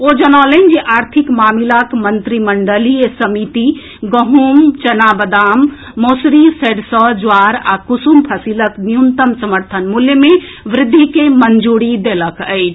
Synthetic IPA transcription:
od͡ʒənalənd͡ʒeʔaɾt̪ʰikmamilakmənt̪ɾiməɳɖəliesəmit̪i | ɡəɦumt͡ʃənabəd̪amː | osɾiseɖsɔd͡ʒaɾakusumpʰəsilək̪nijunt̪əmsəməɾt̪ʰənmuljəme | ʋɾɪd̪ʱːikemənd͡ʒuɽid̪eləkəɪt͡ʃʰ

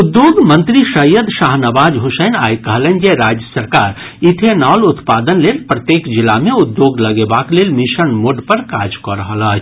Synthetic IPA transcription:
ʊd̪joːɡmɐ̃nt̪ɾiʃɐjəd̪ʃaːɦnɐbaːd͡ʒɦʊsɛːna̰ːjkɐɦlə̃nd͡ʒeɾaːd͡ʒjəsəɾkaːɾ | ɪt̪ʰenaːlʊt̪paːd̪ənleːlpɾɐt̪jeːkd͡ʒɪlamẽʊd̪ːjoːɡlɐɡebaːkleːlmɪʃənmoɖpɐɾkaːd͡ʒkɔɾɦlaː

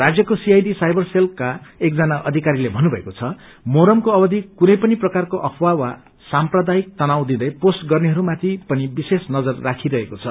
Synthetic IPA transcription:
rad͡zjʌkosiajd̪isajbʌrselkaek̚d͡zʌnaʔʌd̪ʱikaɾilebʱʌnubʱʌekot͡sʰʌ | moɾʌmkoʌbʌd̪ʱikunʌjpʌniprʌkarkoʔʌkʰwawa | samprʌd̪aik̚t̪ʌnawd̪id̪ʌjposʈɡʌrneɦʌɾumat̪ʰipʌnibisesnʌd͡zʌrːakʰiɾʌɦekot͡sʰʌ

